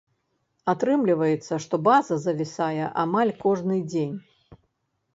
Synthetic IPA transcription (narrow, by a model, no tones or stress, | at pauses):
at̪ɾɨmlʲivɐjɛt̪sːɐʂt̪ɔbazɐzɐvʲisajɛʔamalʲkɔʐnɨd͡zʲenʲ